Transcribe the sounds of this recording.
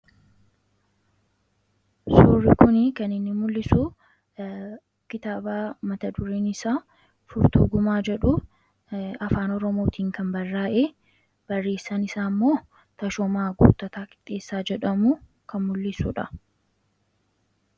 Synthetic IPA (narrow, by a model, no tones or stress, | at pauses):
suːrːɪkʊnɪkɐnɪnːɪmʊlːɪsu | kɪt̪aːbaːmɐt̪ɐd̪ʊɾeːnɪsaː | fʊɾt̪ṵːɡʊmaːd͡ʒɛᶑʊ | ɐfaːnɔɾɔmo̞ːt̪ʰiːŋkɐmbɐrːaːʔe | b̥ɐrːe̞ːsːɐnɪsaːmːo̞ː | t̪ɐʃɔmaːɡṵːt̪ɐt̪aːkɪ̥t̪ʼːe̞ːsːaːd͡ʒɛᶑɐmu | kɐnmʊlːɪsṵːᶑɐ